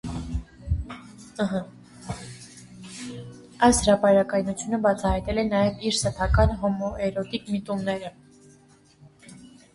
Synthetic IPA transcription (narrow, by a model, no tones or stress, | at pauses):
əɦə | ɑjshɾɑpɑɾɑkɑjnut͡sʰjunəbɑt͡sʰɑɦɑjt̪ɛlɛnɑjɛviɾsɛpʰɑkɑnɦɔmɔʔɛɾɔt̪ikmit̪umnɛɾə